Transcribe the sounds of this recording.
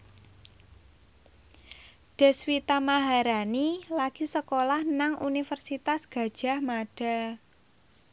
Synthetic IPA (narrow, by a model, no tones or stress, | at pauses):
ɖ̥ɛ̤swit̪amaɦaɾanilaɡ̥i̤səkolahnaŋunifərsit̪asɡ̥ä̤d̥ʒ̥a̤hmaɖ̥a̤